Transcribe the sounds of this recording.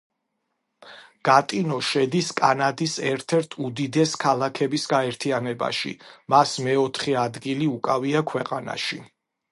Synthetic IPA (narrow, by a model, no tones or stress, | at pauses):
ɡ̥at̪ʼinɔʃɛd̪iskʼanad̪isɛɾt̪ʰɛɾt̪ʰud̪id̪ɛskʰalˠakʰɛbisɡaɛɾt̪ʰianɛba̰ʃḭmasmɛɔt̪ʰχɛad̪ɡiliukʼaviakʰwɛqʼana̰ʃi